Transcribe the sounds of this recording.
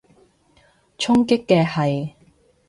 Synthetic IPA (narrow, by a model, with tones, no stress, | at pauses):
t͡ʃʰʊ˥ŋkɪ˥kːɛː˧hɐ˨˩j